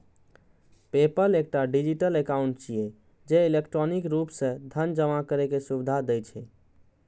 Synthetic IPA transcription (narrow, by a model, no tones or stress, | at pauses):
pepəlek̚ʈaɖid͡ʒiʈəlekaʊɳʈ̚t͡ʃije | d͡ʒeilekʈɾɔnikɾupsẽd̪ʱənd͡ʒəmakəɾekesubid̪ʱad̪ɛjt͡ʃʰɛ